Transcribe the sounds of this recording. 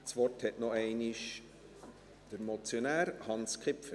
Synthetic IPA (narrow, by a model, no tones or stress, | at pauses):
svɔrthɛtnoɛɪnɪʃ | d̥əɾmɔt͡sjonæːɾhɑnskχɪpfə